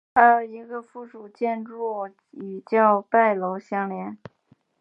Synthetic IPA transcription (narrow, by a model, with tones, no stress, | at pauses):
ə˥˩i˧˥ɡə˧fu˥˩ʂu˨˩t͡ɕjɛ˥˧nʈ͡ʂu˥˩ | y˨˩t͡ɕjɑ˥˧ʊpa˥˩ɪlo˧˥ʊɕjɑ˥ŋljɛ˧˥n